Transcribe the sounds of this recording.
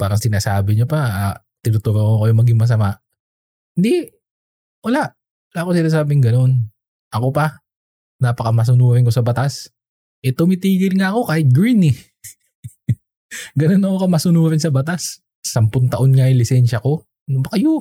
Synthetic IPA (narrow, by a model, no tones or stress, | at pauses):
paːɾɐŋsɪnaːsaːbɪɲopɐa | t̪ɪnʊt̪ʊɾokokɐjʊŋmɐɡɪŋmɐs̬ɐmaʔ | hɪnd̪i | wɐlaʔ | wɐlaːʔkosɪnaːs̬aːbɪŋɡɐno̞n | ʔɐko̞pɐ | napɐkɐmɐs̬ʊnuːɾɪŋkosɐbɐt̪as | ʔɛt̪ʊmɪt̪iːɡɪlŋaʔɐko̞kahɪt̪̚ɡɾinɛ | ɡɐno̞nːɐkokɐmɐsʊnuːɾɪnsɐbɐt̪as | sɐmpʊnt̪ɐʔonŋajʊŋlɪsɛnʃɐko̞ | nbɐkɐjʊ